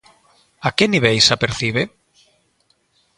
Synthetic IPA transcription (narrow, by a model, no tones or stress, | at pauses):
akeniβejsapeɾθiβ̞e